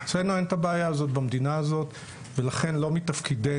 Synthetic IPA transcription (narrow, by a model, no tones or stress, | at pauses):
t͡senoenetabeajaːzo̞tbamd̪inaːzo̞t | velaχe̞nlomit̪afkide